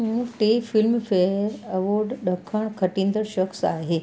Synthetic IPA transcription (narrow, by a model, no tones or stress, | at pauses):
ɦũʈeːfɪlmfeɾɐʋoːɾɖɗəkʰəɽ̃kʰɐʈĩːn̆d̪əɾʃɐxsa̰ːɦeː